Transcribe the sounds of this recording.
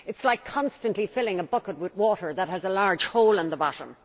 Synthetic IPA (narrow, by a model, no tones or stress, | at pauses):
ɨtslaɪkʰɑ̃nstə̃nʔlifɪlɪ̃ŋəbʊkət̚wɪðwɔːɾə˞ðət̚ɦəzəlaɹ̥ʒ̥hoʊlə̃nðəbɑɾə̰̃m